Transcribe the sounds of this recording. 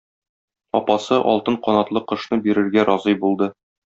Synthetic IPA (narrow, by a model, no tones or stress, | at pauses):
ɒpɑsɤʔɒ̰lˠt̪ɤɴqɒnɑt̪lˠɤqɤ̆ʃnɤbiɾɘ̆ɾɡæɾɒzɤjbulˠd̪ɤ